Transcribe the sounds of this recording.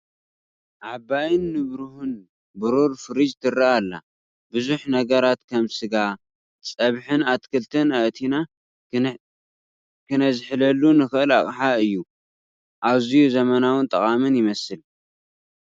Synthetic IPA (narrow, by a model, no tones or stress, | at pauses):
ʕabajɪnːɨβɾuhun | bɨɾuɾfɨɾid͡ʒt̪ʰɨraalːa̰ | bɨzuħnɐɡɐɾat̪kʰɐmsɨɡa | t͡sʼɐβħɨnat̪kʰɨlt̪ʰɨnɐʔt̪ʰina | kʰɨnɐzɨħɨlɐlːunɨxɨʔɨla̰χʼħaɨjːu | ʔaβzijuzɐmɐnawɨnt̪ʼɐχʼamɨnjɪmɐsɨl